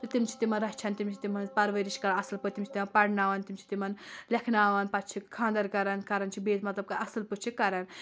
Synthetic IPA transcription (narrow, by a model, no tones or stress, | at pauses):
t̪ɐt̪imt͡ʃʰi̥t̪imɐnɾɐɦt͡ʃʰɐnt̪imt͡ʃʰi̥t̪imɐnpɐɾʋeɾiʃkɐɾɐsɨlput̪imt͡ʃʰi̥t̪imɐnpɐɽnaːʋɐnt̪imt͡ʃʰi̥t̪imɐnlʲɐkʰnaːʋɐnpɐtt͡ʃʰikʰãːnd̪ɐɾkɐɾɐnkɐɾɐnt͡ʃʰibeːt̪mɐt̪lɐb̚kaɐsɨlput͡ʃʰikɐɾɐn